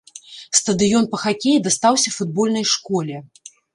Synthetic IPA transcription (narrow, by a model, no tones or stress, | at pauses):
st̪ɐd̪ɨjɔnpɐxakʲejid̪ast̪awsʲɐfud̪̚bɔlʲnɐjʂkɔlʲɛ